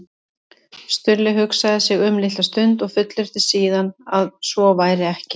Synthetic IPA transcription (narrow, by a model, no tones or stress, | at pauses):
st̪ʏɾlɪɦʏksaðɪsɪɣʏmlɪht̪ast̪ʏnt̪ɔɣfʏt̪lɪɾ̥t̪ɪsiːðanaðsvɔvaːjɾɪɛhcɪ̥